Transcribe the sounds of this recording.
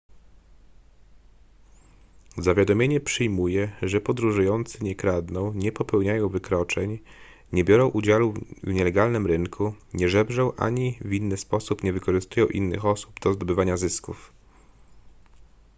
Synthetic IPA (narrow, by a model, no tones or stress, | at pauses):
zavʲjad̪ɔmʲjeɲɛpʂɘjmujɛʐɛpɔd̪ɾuʐujɔnt̪sɘɲɛkɾad̪nɔ̃w̃ɲɛpɔpɛwɲajɔ̃w̃vɘkɾɔt͡ʂɛɲ | ɲɛbʲjɔɾɔ̃w̃ʔud͡ʑaluvɲɛlɛɡalnɘmɾɘŋkʰuɲɛʐɛbʐɛw̃ʔa̰ɲivʲinːɘspɔsupɲɛvɘkɔʐɘst̪ujɔ̃w̃ʔḭnːɘ̰xɔsubd̪ɔzd̪ɔbɘvaɲazɘskuf